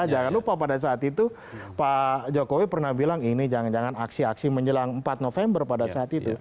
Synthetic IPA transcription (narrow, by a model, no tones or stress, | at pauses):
ad͡ʒaŋanlupapadas̬aːt̪it̪u | pad͡ʒokowipərnahbilaŋinid͡ʒad͡ʒaŋanaksiaksiməɲd͡ʒəlaŋəmpat̪̚nofembərpadasaːt̪it̪u